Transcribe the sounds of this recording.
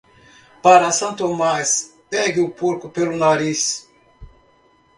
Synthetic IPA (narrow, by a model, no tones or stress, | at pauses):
paɾasɐ̃nt̪omaspɛɡiupuɾkupelunaɾis